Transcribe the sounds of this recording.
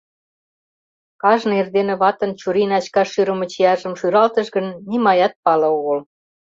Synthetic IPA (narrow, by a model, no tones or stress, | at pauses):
kɑʒnɤerd̪enĕβɑt̪ə̆nt͡ɕuɾinɑt͡ɕkɑʃyɾə̆mə̆t͡ɕiɑʒə̆mʃyɾɑlt̪ə̆ʃɣə̆nːimɑjɑt̪̚pɑlɤ̆oɣə̆l